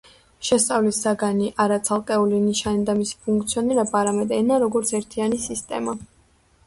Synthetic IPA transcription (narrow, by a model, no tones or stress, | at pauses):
ʃɛst̪sʼavlisːaɡaniʔaɾat̪sʰalˠqʼɛuliniʃanid̪amisi̥pʰuŋk̚ʰʼt̪sʰiɔniɾɛbaːɾamɛd̪ɛnaɾɔɡɔɾt̪sʰɛɾt̪ʰianisist̪ʼɛ̰ma